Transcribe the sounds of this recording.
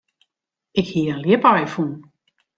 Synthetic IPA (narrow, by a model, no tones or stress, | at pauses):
ɪkhiəənljɪpajfun